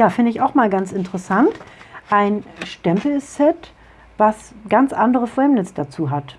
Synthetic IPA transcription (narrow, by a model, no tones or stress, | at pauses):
jaːfɪndəɪçaʊxmaːlɡant͡sɪntəʁəsantʔaɪnʃtɛmpl̩sɛt | vasɡant͡sʔandəʁəfhɛmnɪsəd̥at͡suːɦat